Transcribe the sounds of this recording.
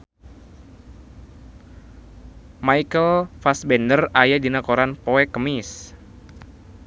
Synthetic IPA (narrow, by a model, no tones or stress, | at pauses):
majkəlfasbɛndərajadinakoɾanpoɛkəmis